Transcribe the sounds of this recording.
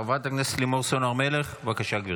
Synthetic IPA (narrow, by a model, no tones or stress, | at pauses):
avat̪aknese̥t̪limoʁsonaʁmeleχvakaʃaɡvi